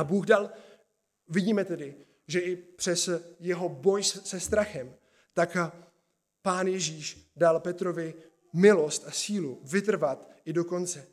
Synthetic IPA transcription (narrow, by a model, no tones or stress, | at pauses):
abuːɣdal | vɪɟiːmɛt̪ɛdɪ | ʒɛʔɪpr̝̥ɛsjɛɦo̞bo̞jsɛst̪ɾaxɛm | t̪ak | paːnjɛʒiːʃdalpɛt̪ɾo̞vɪ | mɪlo̞st̪asiːluvɪt̪̬r̩vat̪ʔɪdo̞ko̞nt͡sɛ